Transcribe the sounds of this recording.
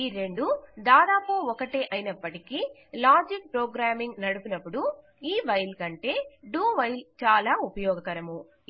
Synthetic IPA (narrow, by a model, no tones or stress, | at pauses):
iːɾe̞ɳɖud̪aːd̪aːpuɔkɐʈeːʔɐjinɐpːɐʈiki | laːd͡ʒik̚pɾɔːɡɾaːmiŋɡnɐɽupunɐpːuɽu | iːʋɐjlkɐɳʈe̞ːɖuːʋɐjlt͡ʃaːlaːupɐjɔːɡɐkɐɾɐmu